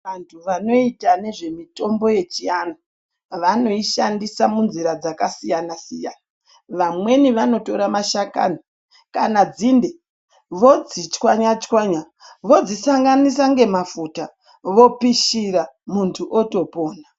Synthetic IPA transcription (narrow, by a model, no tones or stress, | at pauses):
ʋantʰuʋano̞itane̞ʐe̞mito̞mbo̞je̞t͡ʃiana | ʋano̞iʃandisamunziɾad͡zakasijanasijana | ʋamwe̞niʋano̞to̞ɾamaʃaka̰ni | kanad͡zinde | ʋo̞d͡zit͡ʃkwaɲat͡ʃkwaɲa | ʋo̞d͡zisaŋɡanis̬aŋɡe̞mafuta | ʋo̞piʃiɾamuntʰuʔoto̞po̞ːna